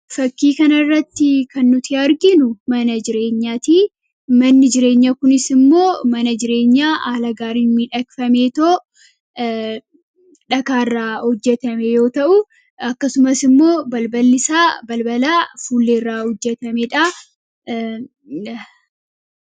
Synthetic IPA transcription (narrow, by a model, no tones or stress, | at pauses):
fɐkːiːkɐnɐrːɐt̪ːɪkɐnːʊt̪ʰɪɐɾɡɪnʊmɐnɐd͡ʒɪɾe̞ːɲːaːt̪iː | mɐnːɪd͡ʒɪɾe̞ːɲːaːkʊnɪsɪmːo̞ːmɐnɐd͡ʒɪɾe̞ːɲːaːʔaːlɐɡaːɾiːnmiᶑɐkfɐmeːt̪oː | ᶑɐkaːrːaːhɔd͡ʒːɛt̪ɐmɛjo̞ːt̪ɐʔʊ | ɐkːɐsʊmɐsɪmːo̞ːbɐlbɐlːɪsaːbɐlbɐlaːfuːlːeːrːaːhɔd͡ʒːɛt̪ɐmeᶑa